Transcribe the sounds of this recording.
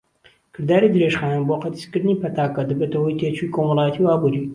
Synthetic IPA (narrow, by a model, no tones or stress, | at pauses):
kʰɨɾd̪aːɾid̪ɾeːʃxaːnnboːqɐt̪i̥skɨɾniːpɐt̪aːkɐd̪ɨbɐt̪ɐwujt̪eːt͡ʃikoːmɐlɑːjt̪ʰiwaːbuɾi